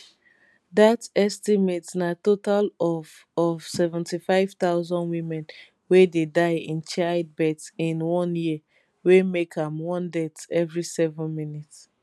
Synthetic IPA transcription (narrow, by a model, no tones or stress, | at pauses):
datɛstimetnatotalɔf | ɔv̥sɛvɛ̃ntifaɪv̥t̪aʊzɔ̃ndwĩmɛ̃n | wededaɪĩnt͡ʃad̚bɛtsĩnwɔ̃nji | wemekhãmwɔ̃ndɛtɛvɹisɛvɛ̃nmĩnit